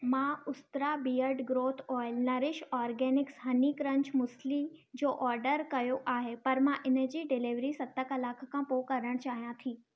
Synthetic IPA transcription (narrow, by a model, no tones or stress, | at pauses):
mãʊst̪ɾabiːjəɾɖɡɾoːt̪ʰɔːɪlnɐɾɪʃɔːɾɡɛːnɪksɦɐnikɾɐ̃ɲt͡ɕmʊslid͡ʑoːʔɔːɾɖəɾkɐjoʔaːɦepɐɾmãʔɪnə̆d͡ʑiːɖɪliʋɾisɐt̪ːəkɐlaːkʰkʰãpoːkɐɾəɽ̃t͡ɕaːɦijãt̪ʰiː